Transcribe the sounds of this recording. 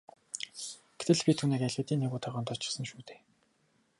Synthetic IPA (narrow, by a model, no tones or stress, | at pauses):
ɡ̥et̪ɘ̆ɮpʲit̪ʰuːneːkæɮʲɘ̆t̪iːnːeɣuːt̪ʰaʁɔːnt̪ʊt͡ɕɪ̆sə̆nʃuːt̪eː